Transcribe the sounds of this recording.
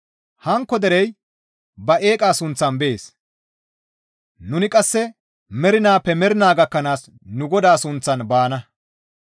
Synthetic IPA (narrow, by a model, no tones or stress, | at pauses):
hɐŋkːɔd̪ɛɾɛj | bɐʔe̞ːkʼaːsʊnt͡sːɐnbeːs | nʊnɪkʼɐsːɛ | mɛɾɪnaːpːɛmɛɾɪnaːɡɐkːɐnaːs | nʊɡɔd̪aːsʊnt͡sːɐnbaːnɐ